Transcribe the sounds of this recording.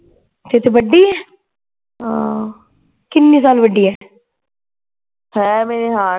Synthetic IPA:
t̪et̪ebəɖːiːɛː | ãː | kɪnːĩːsaːlʋəɖːiːɛː | hɛ̃ːmeːɾeɦaː

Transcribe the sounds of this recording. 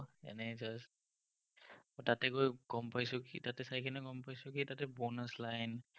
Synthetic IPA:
ɛ̰nɛd͡ʒast | tatɛkojɡ̥ɔmpajsʊkḭtatɛsajkʰɛnɛɡɔmpajsʊkitatɛbɔnaslajn

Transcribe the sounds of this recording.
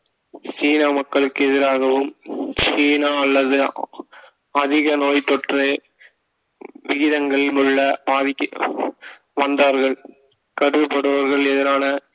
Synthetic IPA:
t͡ʃiːnaːmɐkːɐɭɯkːɯɛðɪɾaːɣɐʋɯmt͡ʃiːnaːɐlːɐðɯ | ɐðɪɣɐnoːjt̪ɔʈre | ʋɪɣɪðɐŋɡɐɭmʊɻːɐpaːðɪkː | ʋɐnd̪aːɾɣɐɭ | kɐɽɯʋɯpːɐɽɐʋɐɾɣɐɭɛðɪɾaːnɐ

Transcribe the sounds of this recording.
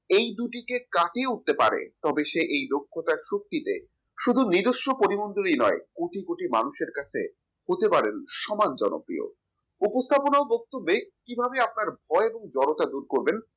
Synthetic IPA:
ejd̪uʈikekaʈiuʈ̚t̪epa̰ɾḛt̪ɔbeʃeʔejd̪okʰːot̪aɾʃok̚t̪it̪ḛ | ʃud̪ʱunid̪oʃːopoɾimond̪olinɔekoʈikoʈima̰nuʃeɾkat͡ɕʰḛ | hot̪epaɾenʃɔmand͡ʑɔno̰pɾḭo̰ | upost̪ʰaponaobɔk̚t̪obːekibʱabeap̚naɾbʱɔeeboŋd͡ʑɔɾot̪ad̪uɾkoɾben

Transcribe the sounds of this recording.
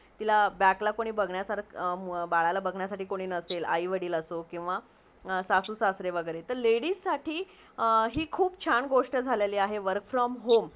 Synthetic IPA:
t̪ilabjaklakoɽ̃iːbəɡʱɳjasaɾbaɭalabəɡʱɳjasaʈiːkoɽ̃iːnəsela̰iʋəɽiːləsokĩw̃ʋa | sasuːsasɾeʋəɡəjɾet̪əɾleɽiːssaʈʰiː | ɦiːkʰuːpt͡ɕʰaɳɡoʂʈəd͡zʱaleliːaɦeʋəɾkfɾɔmɦom

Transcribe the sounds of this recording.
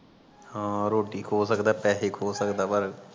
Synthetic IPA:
hãːɾoːʈiːkʰoːsəkd̪aːpɛːeːkʰoːsəkd̪aːpəɾ

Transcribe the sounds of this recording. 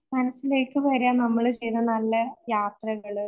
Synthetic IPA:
mɐnɐsːile̞ːkːɨʋɐɾjaːnɐmːɐɭt͡ɕe̞jnːɐnɐlːɐjaːt̪rɐɣɐɭ

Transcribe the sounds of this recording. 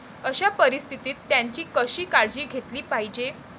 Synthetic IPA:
əɕapəɾist̪ʰit̪iːt̪ːjãɲt͡ɕiːkəɕiːkaɽd͡ʑiːɡʱet̪liːpaɦid͡ʑe

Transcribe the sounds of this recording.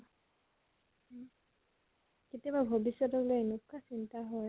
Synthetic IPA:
ketiababʱobisːɔtɔklojenukʰːasintaɦɔj

